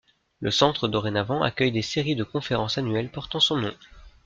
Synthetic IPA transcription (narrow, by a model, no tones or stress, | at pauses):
ləsɑ̃t̪χəd̪ɔʁenavɑ̃a̰kʲœjd̪eseʁid̪əkɔ̃feʁɑ̃sanɥɛlpɔʁt̪ɑ̃sɔ̃nɔ̃